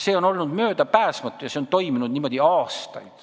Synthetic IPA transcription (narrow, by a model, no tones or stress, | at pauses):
se̞ːo̞no̞lnud̪mø̞ːd̪̥ɑpæːsmɑt̪ːˑujɑseont̪o̞jminud̪niːmo̞d̪̥iɑːst̪ɑ̰jd̪̥